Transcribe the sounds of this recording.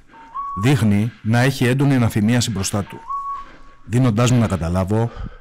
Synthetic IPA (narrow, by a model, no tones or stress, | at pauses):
ðixninɐe̞çie̞nd̪o̞niɐnɐθimiɐsibɾo̞st̪ɐt̪u̥ | ðino̞nd̪ɐzmunɐkɐt̪ɐlɐvo̞